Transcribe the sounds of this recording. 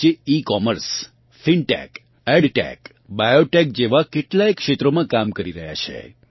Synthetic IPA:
eikɔməɾs | fiɳʈɛ̰k | ɛɖʈɛ̰k | bajoʈek̚d͡ʒeʋakeʈlaekʂet̪ɾomãkamkəɾiɾəɦja̰t͡ʃʰḛ

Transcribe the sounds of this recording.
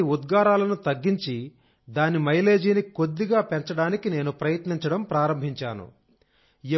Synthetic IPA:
iud̪ɡaːɾaːlɐnut̪ɐɡːiɲt͡ʃi | d̪aːnimɐjle̞ːd͡ʒiːniko̞d̪ːiɡaːpeɲt͡ʃɐɽaːnikine̞ːnupɾɐjɐt̪niɲt͡ʃɐɽɐmpɾaːɾɐmbʱiɲt͡ʃaːnṵ | e

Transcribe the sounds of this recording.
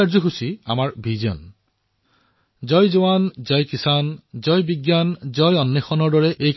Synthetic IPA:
aɹzuxusia̰maɹbʱiziɔ̰n | zɔjzowanzɔjkisanzɔjbiɡjanzɔjɔnːexɔnɔɹdɔɹɛʔej

